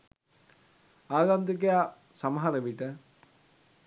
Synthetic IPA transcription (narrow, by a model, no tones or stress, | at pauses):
aːɡand̪uk̬eja | saməɦaɾəʋiʈə